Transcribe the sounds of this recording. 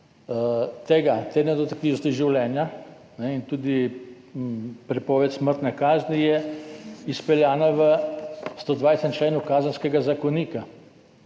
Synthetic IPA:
t̪eːɡat̪ed̪nɛd̪ɔt̪akt̪iːwnɔst̪iʒiwlɛːnja | nɛint̪uːd̪i | pɾɛpɔːʋɛt̪sməɾt̪nɛkaːznijɛ | ispɛljaːnaʋəst̪oːd̪ʋajst̪ɛmt͡ʃleːnukaːzənskɛɡazakoniːka

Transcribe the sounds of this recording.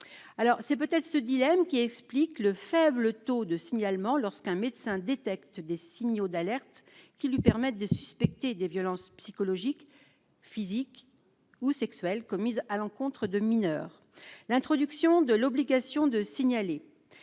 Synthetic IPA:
alɔʁsɛpøt̪ɛt̪χəsəd̪ilɛmkʲiɛksplikləfɛblət̪od̪əsiɲalmɑ̃lɔʁskɛ̃med̪sɛ̃d̪et̪ɛkt̪d̪esiɲod̪alɛʁt̪kʲilɥipɛʁmɛt̪̚d̪əsyspɛk̚t̪ed̪evjɔlɑ̃spsikɔlɔʒik | fizik | usɛksɥɛlkɔmizalɑ̃kɔ̃t̪χəd̪əminœːʁ | lɛ̃t̪χɔd̪yksjɔ̃d̪əlɔbliɡasjɔ̃d̪əsiɲale

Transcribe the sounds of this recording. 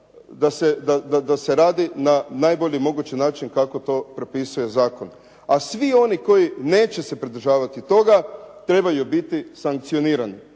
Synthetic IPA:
d̪ased̪ad̪ad̪aseɾaːd̪inanajboʎimo̞ɡut͡ɕinaːt͡ʃinkako̞t̪o̞ːpɾepisuje̞zaːko̞n | asʋio̞niko̞jine̞ːt͡ɕe̞se̞pɾid̪ɾʒaːʋat̪it̪o̞ɡat̪ɾe̞bajubit̪isaŋk̚t̪sio̞niːɾani

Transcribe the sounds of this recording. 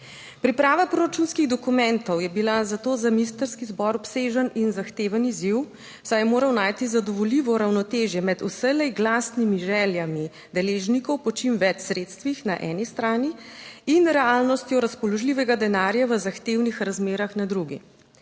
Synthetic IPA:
pɾipɾaːʋapɾoɾat͡ʃunskiɣd̪ɔkumɛnt̪ɔwjɛbilazat̪oːzamist̪əɾskizbɔɾɔpseːʒəninzaxt̪eːʋəniziw | sajɛmoːɾɐwnaːjt̪izad̪ɔʋɔliʋɔɾawnɔt̪eːʒjɛmɛd̪usəlɛɡlaːsnimiʒɛːljami | d̪ɛleːʒnikɔwpɔt͡ʃimʋɛt͡ʃsɾeːt̪st̪ʋixnaʔɛːnist̪ɾaːniinɾɛaːlnɔst̪jɔɾaspɔlɔʒliʋɛɡad̪ɛnaːɾjaʋəzaxt̪eːwnixɾazmeːɾaxnad̪ɾuɡḭ

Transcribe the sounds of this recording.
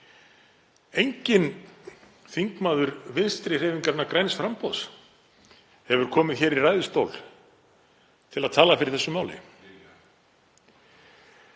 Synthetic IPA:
ejɲcɪn | θiŋkmaːðʏɾvɪnst̪ɾɪr̥eːjviŋkaɾnːakɾajnsfɾampɔs | hɛvʏɾ̥kʰɔːmɪðçɛɾirajðʏst̪owl | t̪ʰɪlaðt̪ʰaːlafɪɾɪɾ̥θɛsːʏmaːwlɪ̰

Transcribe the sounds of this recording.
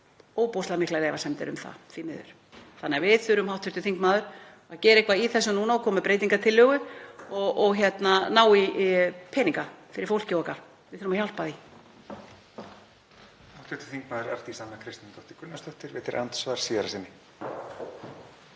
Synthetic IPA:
oːwpowslamɪhklaɾɛːvasɛmt̪ɪ̰ɾʏ̰mθa̰θimɪ̰ðʏ̰ɾ̥ | θanːɛːavɪðθʏɾʏmɦawht̪ʰːʏɾt̪ʏθiŋkmaːðʏɾ̥ | aðcɛːɾɪehkvaiθɛsːʏnuːnaɔkʰɔːmʏpɾeːjt̪iŋkat̪ʰɪlːʏːɣʏɔɣɔɣçɛt̪nanaːwipʰɛːniŋkafɪɾɪɾfowl̥cɪɔka | vɪðθʏɾʏmaçal̥paði | haw̥ht̪ʰʏht̪ʏ̥θiŋkmaːðʏɾaɾ̥t̪isanːakʰɾɪst̪ɪnt̪ɔht̪ɪkʰʏnːast̪œht̪ɪɾvɪːt̪ɪɾʔa̰nt̪svaɾ̥siːðaɾasɪnːɪ

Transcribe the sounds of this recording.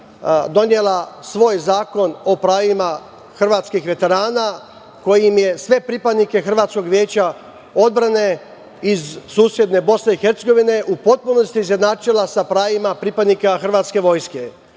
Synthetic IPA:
d̪o̞nje̞lasʋo̞ːjzaːko̞no̞pɾaːjima | xr̩ʋaːt̪skixʋe̞t̪e̞ɾaːna | ko̞jimje̞sʋe̞pɾipad̪nike̞xr̩ʋaːt̪sko̞ɡʋje̞ːt͡ɕa | o̞d̪̚bɾane̞ | izsuːsje̞d̪ne̞bo̞sne̞ixeɾt̪seɡo̞ʋine̞ʔupo̞t̪̚puno̞st̪iːzjed̪naːt͡ʃilasapɾaːjimapɾipad̪nikaxr̩ʋaːt̪ske̞ʋo̞jske̞

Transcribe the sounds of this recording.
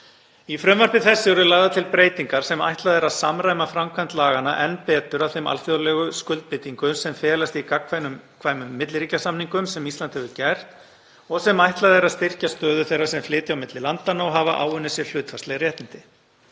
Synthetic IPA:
ifɾœmvar̥pɪθɛsːɪɛɾʏlaːɣðat̪ʰɪlpɾeːjt̪iŋkaɾ̥sɛma̰jht̪laðɛɾaðsamɾaːjmafɾamkʰant̪laːɣana̰ʔɛnpɛːt̪ʏɾawθejma̰lfjoðlɛɣʏskʏlt̪̚pɪt̪iŋkʏsɛmfɛːlast̪ɪikakʰvanmkʰvaːjmʏmːɪt̪lɪɾiːcasamniŋkʏmsɛmist̪lant̪hɛvʏcɛjr̥t̪ | ɔɣsɛmajht̪laðɛɾaðst̪ɪr̥cast̪œːðʏθejrːasɛmflɪːt̪ɪawmɪt̪lɪlant̪anːaɔɦavaʔa̰ːwʏnːɪsjɛɾ̥l̥ʏːt̪fast̪ɛɣɾrjɛht̪nɪnt̪ɪ

